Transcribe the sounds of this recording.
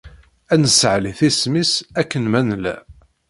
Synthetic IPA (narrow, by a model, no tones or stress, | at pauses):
ænəsəʕliθismisækːənmænlæ̰